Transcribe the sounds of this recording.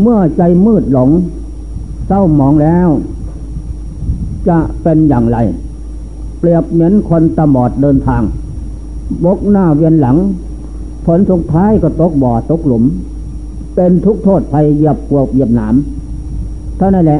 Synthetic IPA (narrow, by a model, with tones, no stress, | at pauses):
mɯ˥˩ɐt͡ɕa˧˩jmɯː˥˩t̪̚lo˨˩˦ŋ | sa˧˩wmɔː˨˦ŋlɛː˦˥w | t͡ɕa˧˩ʔpe˧njaː˨˩ŋɾa˧˩j | pli˨˩əp̚ne˧˦˥ənkʰo˧nt̪a˧mɔː˨˩t̪̚dɤː˧nt̪ʰaː˧ŋ | bo˦˥k̚naː˧˩wi˧ənla˩˦ŋ | pʰo˨˦nsu˨˦k̚t̪ʰaː˦˥˨jkɔː˧˩t̪o˧˦˥k̚bɔː˨˩t̪o˧˦˥k̚lo˩˦m | pe˧nt̪ʰu˦˥k̚t̪ʰoː˥˩t̪̚pʰa˧jːi˧˩əp̚ku˧˩ək̚wi˧˩əp̚naː˩˦m | t̪ʰa˧˩wna˧˥˩lɛ˧